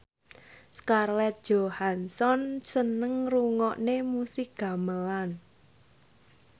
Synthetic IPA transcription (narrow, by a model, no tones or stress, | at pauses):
skarlɛt̪̚d̥ʒ̥ohansɔnsənəŋruŋɔʔnemusik̚ɡ̥a̤məlan